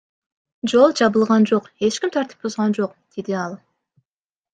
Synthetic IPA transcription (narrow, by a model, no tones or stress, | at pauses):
d͡ʒo̞lˠd͡ʒɑβɯlˠʁɑnd͡ʒo̞qe̞t͡ʃkʲimt̪ʰɑɾt̪ɯ̥p̚buzʁɑnd͡ʒo̞qd̪̥ed̪iɑlˠ